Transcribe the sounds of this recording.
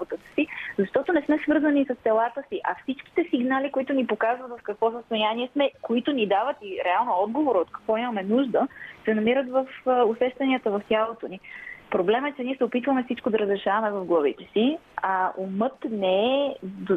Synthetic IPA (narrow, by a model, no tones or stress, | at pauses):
bot̪ət̪ə̥sizɐʃt̪ɔt̪onɛsmɛsvɤɾzənisəst̪ɛlˠat̪əsiʔɐfsit͡ʃk̟i̥t̪ɛsiɡnalikoit̪ʊnipokazvət̪vɐfkɐkvɔs̬əst̪ojaniɛsmɛkoit̪ʊnid̪avət̪iɾɛalˠnoɔd̪̚ɡovoɾot̪̚kɐ̥kvɔimɐmɛnuʒd̪əsɛnɐmiɾət̪vəfʊsɛʃt̪ɐniət̪əvɐft̪ʲjalˠot̪onipɾoblɛmɛt͡ʃɛniɛsɛopit̪vəmɛfsit͡ʃkod̪ɐɾəzɾɛʃavɐmɛvɐvɡlˠɐvit̪ɛsi | aumɤt̪nɛɛd̪